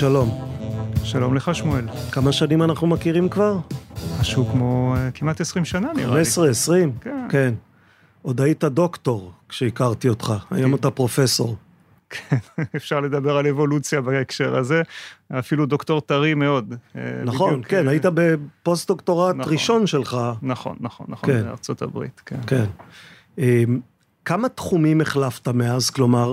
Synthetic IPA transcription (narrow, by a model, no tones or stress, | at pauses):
ʃalo̞m | ʃalomleχaʃmuelkamaʃanimanaχnumakiʁimkvaʁmaʃeukmo̞kimat̪esʁimʃananḭʁasʁeesʁimkeke̞n | o̞d̪aitado̞kto̞ʁkʃeikaʁtiotχaa̰jomot̪apʁo̞fe̞so̞̰ʁ | kʰenefʃaʁle̞d̪abe̞ʁalevo̞lut͡sjabaekʃe̞ʁazeafiludoktoʁtaʁimeo̞d̰nːaχo̞nkenajitabe̞po̞st̚dokto̞ʁatʁiʃo̞nʃelχanaχo̰nːaχonːaχkena̰ʁt͡sota̰bʁḭt̪kenken | em | kamatχumime̞χlaftameazklo̞maʁ